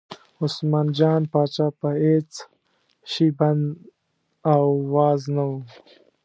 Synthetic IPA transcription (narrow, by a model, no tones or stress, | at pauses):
usmaːnd͡ʒaːnpaːt͡ʃapɐeːt͡s | ɕibɐnd̪ | awwaːznau